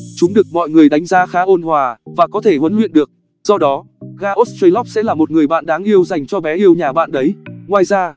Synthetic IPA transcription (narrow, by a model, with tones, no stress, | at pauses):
t͡ɕʊ˨˦ŋ͡mɗɨ˨˩ək̚mɔ̰˧˨jŋɨ˨˩əjɗa˨˦jŋ̟zaː˨˦xaː˨˦ʔo˧nhwaː˨˩vaː˨˩kɔ˨˦t̪ʰe˧˩hwə˨˦nlwḭ˧˨nɗɨ˨˩ək̚ | z̥ɔ˧ɗɔ˨˦ | ɣaː˧ʔo˦˥s̚ti˧jlɔ˦˥p̚sɛ̰˧˥laː˨˩mo˨˩t̚ŋɨ˨˩əjɓa̰ː˧˨nɗaː˨˦ŋʔi˧əwza˨˩jŋ̟t͡ɕɔ˧ɓɛ˨˦ʔi˧əwɲaː˨˩ɓa̰ː˧˨nɗə˨˦jŋwaː˨˩jzaː˧